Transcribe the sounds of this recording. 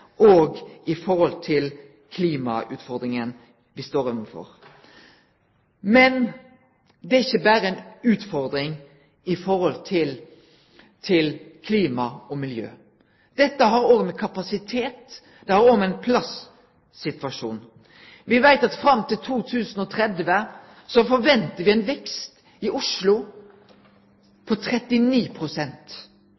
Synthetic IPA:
ʔoːɡɪfɔɾɔlt̪ʰɪl | kʰliːmɑʉ̰ːt̪fɔɾd̪ɾɪŋən | ʋɪst̪oːɾɛmfɔ̰ɾ | mɛn | d̪ɛæɾɪçːəbæːɾəɛnʉːt̪fɔɾd̪ɾɪŋ | ɪfɔɾhɔlt̪ʰɪl | t̪ʰɪlkʰliːmɑɔmɪljø̰ː | d̪̥ɛt̪ːəɦɑɾoːʋəmɛkʰɑpɑsɪt̪ʰeːt̪ | d̪̥ɛhɑːɾoːmɛɪnpʰlɑs | sɪt̪ʋɑʃʂuːn | ʋɪʋæɪt̪ɑt̪fɾɑmt̪ʰɪlt̪ʰuːt̪ʰʉːsn̩ɔt̪ʰɾɛd̪ʋə | sɔfɔɾʋɛnt̪əɾʋɪæɪnʋɛkst̪ | ɪʔʊʂlʊ | pʰɔt̪ʰɾɛt̪ɪniːpʰɾʊsɛnt̪

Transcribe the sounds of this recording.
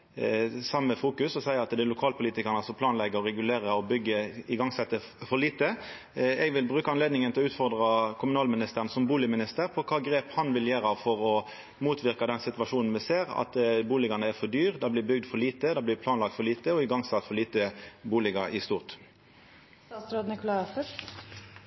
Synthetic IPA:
sɑmːəfuːkʉsɔsæɪəɾɑt̪d̪ɛlʊkʰɑːlpʰʊliːt̪ɪkəʁnəɑsɔpʰlɑːnlɛɡəɾɔʁɛɡʉleːʁəɔbʏɡːəɪɡɑŋsɛt̪ːə | fɔɭiːt̪ə | ɛɡʋɪlbʁʉːkəɑnleːd̪nɪŋənɪlɔʉːt̪fɔʁd̪ʁɑkʰʊmʉnɑːlmɪnɪst̪əʁənsɔmbuːlɪmɪnɪst̪əʁpʰɔkʰɑːɡɾeːphɑnʋɪljeːɾɑʋfɔɾɔ | muːt̪ʰʋɪʁkɑd̪ɛnsɪt̪ʋɑʂuːnn̩mɛseːʁɑ̰t̪buːlɪɡɑnəæɾfɔʁd̪yːʁd̪ɑblɪːbʏɡd̪fɔʁɭiːt̪əd̪ɑblɪpʰlɑːnlɑk̚t̪fɔɾɭiːt̪əɔɪɡɑŋsɑt̪ːfɔʁliːt̪əbuːlɪɡɑɾɪst̪uːʁt̪ | ɑsɾoːd̪nɪkʊlɑɪɑfə

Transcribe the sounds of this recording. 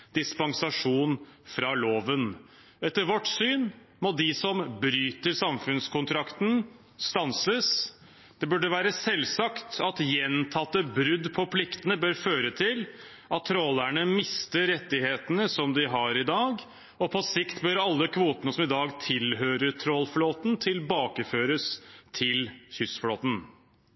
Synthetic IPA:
d̪ɪspɑŋsɑʂuːnfɾɑloːʋən | ɛt̪ːəɾʋɔʈsyːn | mɔd̪ɪsɔmbɾyːt̪əɾsɑmfʉnskʰʊnt̪ʰɾɑkt̪n̩ | st̪ɑnsəs | d̪̥ɛbʉɖəʋæːɾəsɛlːsɑkt̪ɑt̪jɛnt̪ʰɑt̪ːəbɾʉd̪ːpʰɔpʰlɪkt̪ənəbøːɾføːɾət̪ʰɪl | ʔɑt̪̚ʰːɾɔlæɳəmɪst̪əːɛt̪ːɪheːt̪ənəsɔmd̪ɪɦɑɾɪd̪ɑːɡ | ɔpʰɔsɪkt̪bøɾɑlːəkʰʋuːt̪ənəsɔmɪd̪ɑːɡt̪ʰɪlɦøːɾət̪ʰɾɔlfloːt̪nt̪ʰɪlbɑːkəføːɾəst̪ʰɪlçʏsfloːt̪n̩

